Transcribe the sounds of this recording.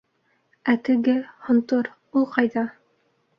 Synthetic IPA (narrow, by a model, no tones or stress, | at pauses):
æt̪ɘ̆ɡɘhŏnt̪oɾ | ulˠqɑjðɑ